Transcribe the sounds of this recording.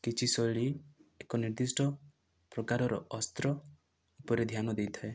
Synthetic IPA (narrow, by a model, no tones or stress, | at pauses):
kit͡ʃʰisɔɭiekɔniɾd̪isʈɔ | pɾɔkaɾɔɾɔ̰ɔst̪ɾɔ | upɔɾed̪ʱjanɔd̪ejt̪ʰɔe